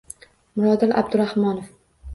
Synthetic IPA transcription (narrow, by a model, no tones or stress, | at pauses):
mʊɾɒd̪ɪlʔa̰bd̪ʊɾahmɒnof